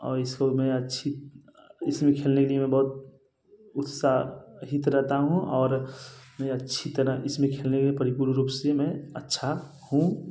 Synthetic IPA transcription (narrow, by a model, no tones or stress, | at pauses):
ɔ̰ːɾɪskomɛ̃ətːʃʰi | ɪsmẽkʰeːlnekelijemẽbɐɦut̪ | ʊt̪saɦit̪ɾɛɦt̪aɦũɔːɾmɛ̃ətːʃʰit̪əɾaɪsmẽkʰeːlnekelijepəɾipuɾɾupsemẽətːʃʰa | hũ